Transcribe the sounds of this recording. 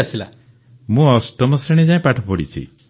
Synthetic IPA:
asʰila | mũɔsʈɔmɔsɾeɽ̃ed͡ʒaĩpaʈʰɔpɔɽit͡ʃʰḭ

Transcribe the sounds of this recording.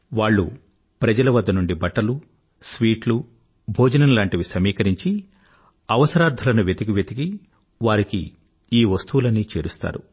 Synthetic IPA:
ʋaːɭːṵ | pɾɐd͡ʒɐlɐʋɐd̪ːɐnuɳɖibɐʈːɐlu | sʋiːʈlu | bʱoːd͡ʒɐnɐnlaːɳʈiʋisɐmiːkɐɾiɲt͡ʃi | ɐʋɐsɐɾaːɾd̪ʱɐlɐnuʋjet̪iɡiʋjet̪iɡi | ʋaːɾikḭ | iːʋɐst̪uʋulɐnːiːt͡ʃeːɾust̪a̰ːɾṵ

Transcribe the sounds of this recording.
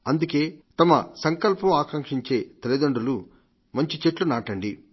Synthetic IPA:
ɐnd̪uke̞ːt̪ɐmɐ̰sɐŋkɐlpɐmaːkɐŋkʂiɲt͡ʃe̞ːt̪elid̪oɳɖulu | mɐɲt͡ʃit͡ʃeʈlunaːʈɐɳɖi

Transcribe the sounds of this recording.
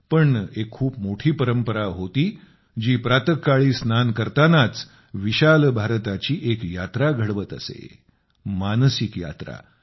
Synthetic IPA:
pəɳekʰːuːpmoʈʰiːpəɾəmpəɾaɦot̪iː | d͡ʑiːpɾat̪əkːaɭiːsnankəɾt̪anat͡s | ʋiɕalbʱaɾt̪at͡ɕiːʔekjat̪ɾaɡʱəɽʋət̪ə̰sḛ | mansikja̰t̪ɾa̰

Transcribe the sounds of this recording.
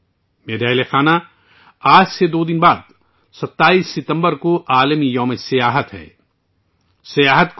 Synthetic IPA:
meːɾaːlexaːna | aːd͡ʒsed̪oːd̪ɪnbaːd̪ | sɐt̪ːaːiːsːɪt̪ə̃mbəɾkoʔaːləmijɔːmesɐjaːɦət̪ɦɛ̰ː | sɐjaːɦət̪k

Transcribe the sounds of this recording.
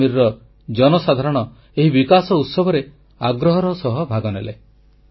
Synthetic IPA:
iɾːɔ | d͡ʒɔnɔsad̪ʱaɾɔɽ̃ɔ | eɦibikasɔut̪sɔbʱɔɾe | aɡɾɔɦɔɾɔsɔɦɔbʱaɡɔnele

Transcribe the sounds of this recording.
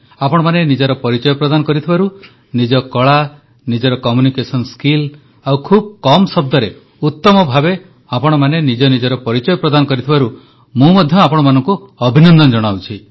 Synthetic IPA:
apɔɽɔmanenid͡ʒɔɾɔpɔɾit͡ʃɔjɔpɾɔd̪anɔkɔɾit̪ʰibaɾu | nid͡ʒɔkɔɭa | nid͡ʒɔɾɔkɔmjunikesɔnskil | awkʰub̚kɔmsɔb̚d̪ɔɾe | ut̪ːɔmɔbʱabe | apɔɽ̃ɔmanenid͡ʒɔnid͡ʒɔɾɔpɔɾit͡ʃɔjɔpɾɔd̪anɔkɔɾit̪ʰibaɾu | mũmɔd̪ʱjɔapɔɽ̃ɔmanɔŋkuɔbʱinɔnd̪ɔnɔd͡ʒɔɽ̃awt͡ʃʰi

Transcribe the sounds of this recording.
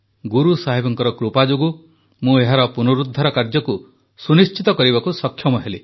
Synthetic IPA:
ɡuɾusaɦibɔŋkɔɾɔkɾupad͡ʒoɡu | mũeɦaɾɔpunuɾud̪ʱːɔɾɔkaɾd͡ʒɔku | sunist͡ʃit̪ɔkɔɾibakusɔkʰːjɔmɔɦele

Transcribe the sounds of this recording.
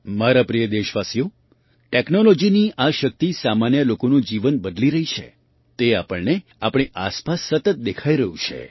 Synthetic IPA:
maɾapɾijəd̪eʃʋasijo | ʈeknolɔd͡ʒiniʔaʃək̚t̪isamanjəlokonũd͡ʒiʋənbəd̪liɾəɦit͡ʃʰḛ | t̪eapəɭneapɳ̃iʔaspasːət̪ət̪̚d̪ekʰaiɾəɦũt͡ʃʰḛ

